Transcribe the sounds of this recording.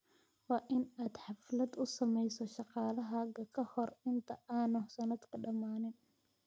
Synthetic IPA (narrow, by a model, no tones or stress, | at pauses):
wɑːʔɪnaːd̪ħɑflɐd̪ʊsɐmɛjsɔʃɑqɑːlɐɦɐɡɐkʰɐhɔrɪnt̪ʰɐʔaːnɔsɐnɐd̪kʰɐɖɐmaːnɪn